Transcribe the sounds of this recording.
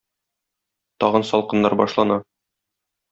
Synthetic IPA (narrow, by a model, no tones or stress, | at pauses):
t̪ɒʁɤnsɒlˠqɤ̆nːɑɾbɒ̰ʃlˠɑnɑ